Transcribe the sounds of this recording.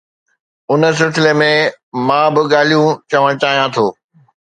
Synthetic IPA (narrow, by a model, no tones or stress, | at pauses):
ʊnə̆s̬ɪlsɪlemẽ | mãːbɪɠaːl̤ijũt͡ɕɐʋ̤ãt͡ɕaːɦijãt̪ʰoː